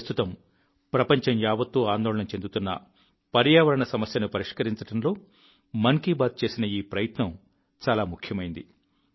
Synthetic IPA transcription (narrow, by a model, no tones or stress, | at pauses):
st̪ʰut̪ɐm | pɾɐpɐɲt͡ʃɐmjaːʋɐt̪ːuːaːnd̪oːɭɐɳɐmt͡ʃe̞nd̪ut̪unːɐ̰ | pɐɾjaːʋɐɾɐɳɐsɐmɐsjɐnupɐɾiʂkɐɾiɲt͡ʃɐʈɐmlo̞ː | mɐŋkiːbaːt̪̚t͡ʃe̞ːsinɐiːpɾɐjɐt̪nɐm | t͡ʃaːlaːmukʰjɐmɐjind̪i